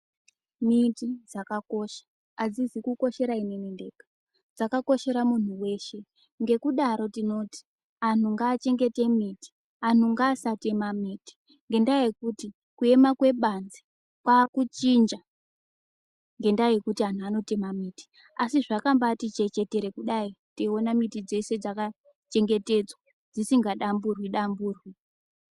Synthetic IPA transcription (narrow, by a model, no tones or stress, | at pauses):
mitid͡zakako̞ʃḁː | d͡zizikuko̞ʃe̞ɾainenende̞ːkḁ | d͡zakako̞ʃe̞ɾamun̤uwe̞ʃe̞ | ŋɡe̞kuɗaɾo̞tino̞ti̥ | an̤uŋɡaːt͡ʃe̞ŋɡe̞te̞miti̥ | an̤uŋɡaːsate̞mamiːti̥ | ŋɡe̞ndaje̞kuti | kue̞makwe̞ɓanze | kwakut͡ʃind͡ʒa | ŋɡe̞ndaje̞kutian̤uano̞te̞mamiti̥ | asiʐakambatit͡ʃe̞t͡ʃe̞te̞ɾe̞kuɗaiteo̞namitid͡ze̞se̞d͡zaka | t͡ʃe̞ŋɡe̞te̞d͡zwa | d͡zisiŋɡaɗamburwiɗambuːrwi